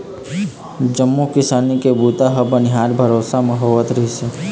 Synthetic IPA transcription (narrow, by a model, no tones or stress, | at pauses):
d͡ʒəmːukɪsaːnikebuːt̪aɦɐbənɪɦaːɾbʱəɾoːsamɐɦəʋːət̪ɾəɦise